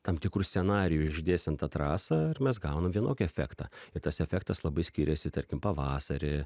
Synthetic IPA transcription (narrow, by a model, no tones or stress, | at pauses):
t̪ɐmt̪ʲɪkɾuːsʲsʲɛnɑːɾʲɪjuʒʲɪd̪ʲeːsʲɛnt̪ɐt̪ɾɑːsɐɪrmʲɛsɡɐʊnɐmʋʲiɛnoːkʲiɛfʲæ̰ːkt̪ɑɪɾt̪ɐsɛfʲæːk̚t̪ɐslˠɐbɐɪsʲkʲiːɾʲɛsʲɪt̪ɐɾʲkʲɪmpɐʋɑːsɐɾʲɪ